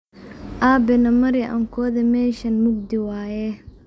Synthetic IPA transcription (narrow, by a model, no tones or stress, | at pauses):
ʔaːbɛnɐmɐɾɪʔɐ̰ŋkʰɔːðɐmɛːʃɐnmʊɡ̚d̪ɪwaːjɛ